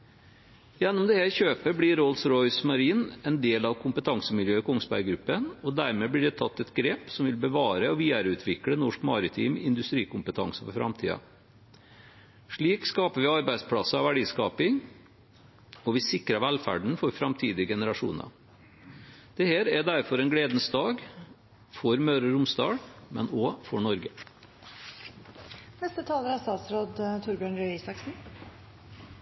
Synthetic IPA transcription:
jɛnːɔmd̪ɛhæːɾçøːpəɾblɪɾɔlsɾɔʏsmɑɾiːnɛnd̪eːlɑʋkʰʊmpət̪ʰɑŋsəmɪljøːɪkʰɔŋspæ̰ɾɡɾʉpːənɔd̪æɾmeːblɪɖɛt̪ʰɑt̪ːɛt̪ɡɾeːpsɔmʋɪlbəʋɑːɾəɔʋiːəɾʉːt̪ʰʋɪklənɔʂkmɑːɾɪt̪ʰḭːmɪnd̪ʉst̪ɾiːkʊmpət̪ʰɑ̰ŋsəfɔɾfɾɑ̰mt̪ʰḭːɑ̰ | ʂɭiːkskɑːpəʋɪɑɾbæɪd̪spʰɽɑsəɑʋæɖiːskɑːpɪŋ | ɔʋɪsɪkɾɑʋælfæ̰ɖɳ̩fɔɾfɾɑmt̪ʰiːd̪ɪɡɛnəɾɑʂṵːnɑ̰ | d̪̥ɛheːɾæd̪æɾfɔɾɛnɡɽeːd̪nsd̪ɑːɡ | fɔɾmøːɾəɾʊmsd̪ɑ̰ːɽmɛ̰noːfɔɳɔɾɡə | nɛst̪ət̪ʰɑːləɾæst̪ɑːt̪sɾoːd̪t̪ʰʊɾbjøːɳɾœsɑksn̩

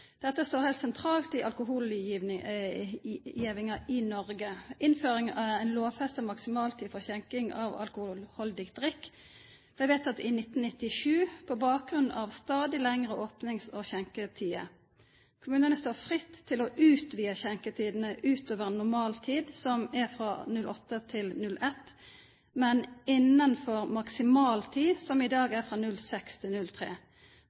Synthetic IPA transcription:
d̪̥ɛt̪ːəst̪oːʁhɛɪlt̪sɛnt̪ʰʁɑːlt̪ɪʔɑlkʊɦuːl | jiːʋɪŋɑɪnɔʁɡəʔɪnføːʁɪŋʔæʁæɪnloːfɛst̪ɔmɑksɪmɑːlt̪ʰiːfɔʁçɛŋkɪŋɑ̰ʋɑ̰lkʊhlhɔld̪ɪkd̪ʁɪkː | ʋ̪æɪʋeːt̪ɑt̪ɪnɪt̪ːn̩nɪt̪ɪʂʉːpʰɔbɑːɡʁʉnʔɑʋst̪ɑːd̪ɪlɛŋʁəʔoːpnɪŋsɔçɛŋkət̪ʰiːə̰ | kʰʊmʉːnənəst̪oːfʁɪt̪ʰːɪlɔʔʉːt̪ʋiːəçɛŋkət̪ʰiːd̪n̩əʔʉːt̪oːʋəʁnʊʁmɑːlt̪ʰiːd̪sɔmæʁfʁɑnʉlʔɔt̪ːət̪ʰɪlnʉlʔɛt̪ː | mɛnɪnːənfɔʁmɑksɪmɑːlt̪ʰiːsɔmɪd̪ɑːɡæfʁɑːnʉlsɛkst̪ʰɪlnʉlt̪ʰʁḛː

